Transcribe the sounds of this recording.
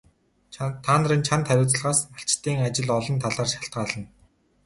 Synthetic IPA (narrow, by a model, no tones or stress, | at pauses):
t̪ʰːaːnə̆riːnt͡ɕʰant̪ʰχæɾʲʊːt͡sə̆ɮʁaːsnaɬt͡ɕt̪ːiːŋat͡ɕɪ̆ɮɔɮɞ̆nt̪ʰaɮaːrʃḁɬt̪̚ɢaːɮə̆n